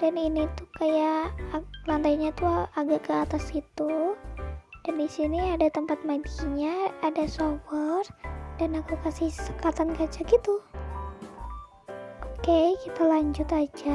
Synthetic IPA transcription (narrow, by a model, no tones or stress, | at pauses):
daninit̪ukaja | lant̪ajɲat̪uaɡaʔkəat̪asɡit̪u | d̥andisiniadat̪əmpat̪̚maid̪ɡiɲaadasobərd̥anakukasihsə̥kat̪ankat͡ʃaɡit̪u | okekit̪alaɲd͡ʒʊt̪ad͡ʒa